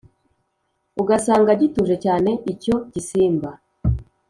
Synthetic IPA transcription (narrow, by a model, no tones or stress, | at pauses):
uɡasaːŋɡaɟituʒe̞caːne̞ʔico̞ɟisiːmba